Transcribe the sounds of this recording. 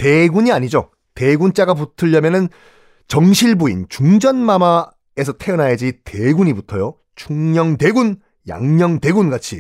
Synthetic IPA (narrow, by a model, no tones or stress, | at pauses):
te̞ɡuɲiaɲid͡ʑo | te̞ɡunt͡ɕ͈aɡap̬utʰɯʎːʌmjʌnɯn | t͡ɕʌŋɕʰiɭbuint͡ɕuŋd͡ʑʌnmama | es̬ʰʌtʰe̞ʌnɦajed͡ʑiteɡuɲibutʰʌjo | t͡ɕʰuŋɲʌŋte̞ɡun | ja̰ŋɲʌŋte̞ɡunɡat͡ɕʰi